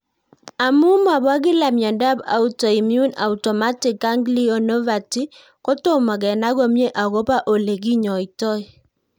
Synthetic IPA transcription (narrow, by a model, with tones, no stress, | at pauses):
a˨mʊ˦ma˨bwa˦ɡɪ˦la˨mjɔ˨nda˦ba̰˨u˦tɔ˨i˨mju˦na̰˨u˨tɔ˨ma˦tɪ˨ka˦ŋɡli˦ɔ˦nɔ˦va˨ti˦ | kɔ˦tʊ˦mɔ˨ɡɛ˨na˦ɡo˦mje˦ʔa˨ɡo˦pa˦ʔo˨le˨ɡi˦ɲɔ˨i˨tɔ˦ɪ˦